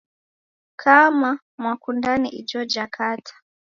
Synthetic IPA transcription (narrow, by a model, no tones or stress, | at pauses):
kʰama | mwakundaniʔid͡ʒɔd͡ʒakʰatʰḁ